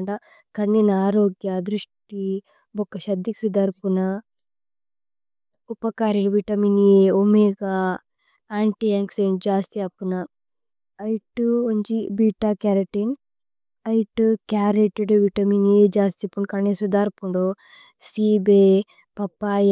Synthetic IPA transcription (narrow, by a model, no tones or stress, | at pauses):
ɳɖa | kɐɳːinaːɾoːɡjɐd̪ɾuʂʈi | bɔkːɐʃɐd̪ːiksud̪aːɾpunɐ | upɐkaːɾiluʋiʈɐmineomeɡa | aːɳʈiaːŋkseɳd͡ʒaːst̪iɐpːunɐ | ɐjʈuoɲd͡ʒibiːʈaːkaːɾɐʈin | ɐjʈukaːɾeʈeɖʋiʈɐmineːd͡ʒaːst̪ipːukɐɳːisud̪aːɾpuɳɖo | siːbe | pɐpːaːj